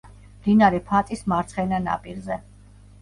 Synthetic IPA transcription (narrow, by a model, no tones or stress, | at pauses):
md̪inaɾɛpʰat̪ʼismaɾt̪sʰχɛnana̰pʼiɾzɛ